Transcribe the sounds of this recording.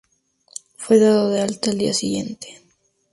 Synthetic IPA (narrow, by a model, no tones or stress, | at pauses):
fwe̞ðaðoðealt̪aeld̪ḭasiɣje̞nt̪e̥